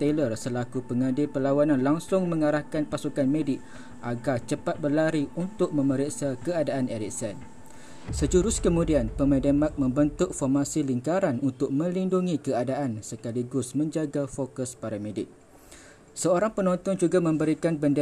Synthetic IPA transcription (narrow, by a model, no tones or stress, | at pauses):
t̪elərsəlakupəŋãdɪlpəlawanãnlaŋsʊŋmə̃ŋaɾahkanpasukanmẽdɪʔ̚ | ʔaɡart͡ʃəpat̪̚bərlaɾiunt̪ʊk̚mə̃məɾiksakəadaʔaneɾik̚sɛn | səd͡ʒuɾʊskəmũdianpəmə̃dəmak̚mə̃mbənt̪ʊk̚fɔrmasiliŋkaɾanunt̪ʊk̚mə̃linduŋĩkəadaʔansəkaliɡʊsmə̃ɲd͡ʒaɡafokəspaɾamẽdɪʔ̚ | səoɾaŋpənɔ̃nt̪ɔnd͡ʒuɡamə̃mbəɾikanbəndə